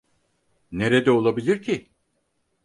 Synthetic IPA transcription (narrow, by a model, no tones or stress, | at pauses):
ne̞ɾed̪ɛo̞lˠabilʲiɾcʰi